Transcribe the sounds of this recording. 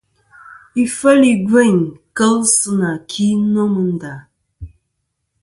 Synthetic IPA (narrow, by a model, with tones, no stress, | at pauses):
i˨fə˦li˨ɡe˦˨ɲkə˦lsɨ˦na˨kʰi˦nɔ˦mɨ˨n̩˦da˨